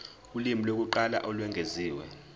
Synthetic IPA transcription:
ulimilok̬uǃala̰ʔɔlwɛŋɡʱeziːwɛ̰

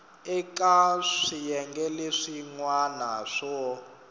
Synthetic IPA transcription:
ɛkaʂijɛŋɡɛleʂiŋwanaʂɔ

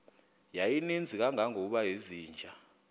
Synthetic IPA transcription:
jajinind͡zʱik̬aŋʱaŋoɓaɦeziːnd͡ʒʱa

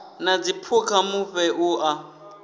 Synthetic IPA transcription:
nad͡zipʰukʰamuɸɛʔuʔa

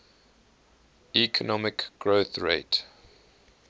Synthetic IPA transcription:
ikʰənɔmɪkɡ̥ɹoθɹḛɪt

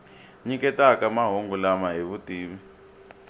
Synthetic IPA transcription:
ɲikɛtakamaɦoŋɡulamaɦiβutiːβi

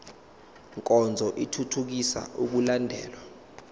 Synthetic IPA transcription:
ŋkʼɔnd͡zʱɔʔitʰutʰuk̬isa̰ʔuk̬ulandʱɛ̰ːlwa

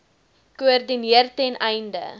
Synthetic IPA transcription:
kuərdiniərtɛnʔɛjndə̰

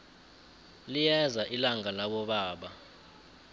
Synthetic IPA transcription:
lijɛzaʔilaŋalaɓɔɓaːɓa

